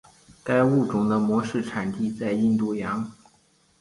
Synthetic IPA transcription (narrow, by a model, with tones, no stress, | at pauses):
ka˥ɪu˥˩ʈ͡ʂʊ˨˩ŋd̪ə˧mwɔ˧˥ʂɻ̩˥˩ʈ͡ʂʰa˨˩nt̪i˥˧t͡sa˥˧ɪi˥˧nt̪u˥˩jɑ˧˥ŋ